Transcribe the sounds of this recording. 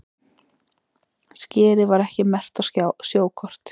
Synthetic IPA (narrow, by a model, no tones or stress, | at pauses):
scɛːɾɪvaɾɛhcɪmɛr̥t̪awsasjoːwkʰɔr̥t̪